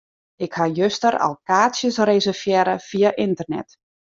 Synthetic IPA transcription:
ɪkhajøstəɾɔ̰lˠkaːsjəsrezərfjɛɾəfijaʔɪntərnɛ̰t

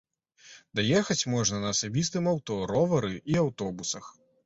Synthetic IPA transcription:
d̪ajɛxɐt͡sʲmɔʐnɐnɐːsabʲist̪ɨmawt̪ɔɾɔvɐɾɨʔiawt̪ɔbusɐx

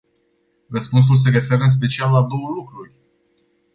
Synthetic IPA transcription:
rəspuns̬uls̬e̞ɾe̞fe̞ɾəɨns̬pe̞t͡ʃialːad̪o̞wəlukɾurʲ

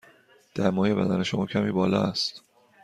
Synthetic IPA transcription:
d̪̥æɾmɒːje̞bæ̰d̪æne̞ʃo̞mɒːcʰæmiːbɒːlɒ̰ːæst̪

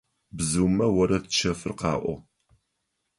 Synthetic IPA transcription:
bzɨwmɐwɐɾɐtt͡ʃʰɐfɨrqɑ̰ːʔʷɔ̰

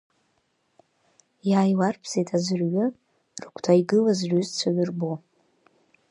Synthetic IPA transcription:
jaːjwarpʰz̥ejtʰʼazɨrɥʊ | rkʷʰtʰajɡɨlazʕʷyzt͡sʷʰaɥɨrbo

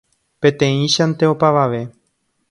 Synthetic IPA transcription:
pẽ̞t̪ẽ̞ĩʃant̪e̞opaʋaʋe̞

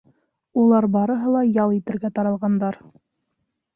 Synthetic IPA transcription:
ulˠɑɾbɑɾɤ̆ɦɤlˠɑjɑlˠit̪ɘ̆ɾɡæt̪ɑɾɑlˠʁɑnd̪ɑɾ

